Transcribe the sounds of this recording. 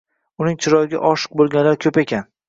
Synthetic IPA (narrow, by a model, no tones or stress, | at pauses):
ʊnɪŋt͡ʃʰɪɾɒjɪɡʲa̰ʔɒʃɨ̥q̚bolˠɡʲanlaɾkʲʰɵpekʲʰan